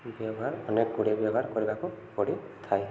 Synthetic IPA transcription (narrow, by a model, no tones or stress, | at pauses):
bjɔɡʱaɹɔnek̚ɡuɽebjɔɡʱaɹkoɹibakʊkoɽit̪ʰaj